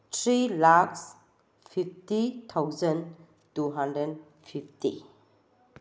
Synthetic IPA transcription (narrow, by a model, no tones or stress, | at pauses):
tʰɾilaks | fʰiftit̪ʰawzən | tuɦãndɾən | fʰiftḭ